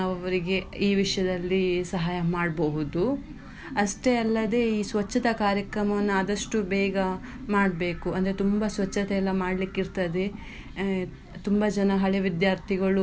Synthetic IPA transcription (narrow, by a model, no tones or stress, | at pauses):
ɐʋɐʋɐɾiɡe̞iːʋiʂjɐd̪ɐlːisɐɦaːjɐmaːɽbɐɦud̪u | ɐʂʈeɐlːɐd̪e̞ːiːsʋɐt͡ʃːɐt̪ɐkaːɾjɐkɾɐmɐʋɐnːuɐd̪ɐʂʈubɛːɡɐ | maːɽbe̞ːkuɐnd̪ɐɾet̪umbɐsʋɐt͡ʃːɐt̪ɛɛlːɐmaːɽlikːiɾt̪ɐd̪e̞ | t̪umbɐd͡ʒɐnɐɦɐɭeʋid̪jaːɾt̪ʰiɡɐɭu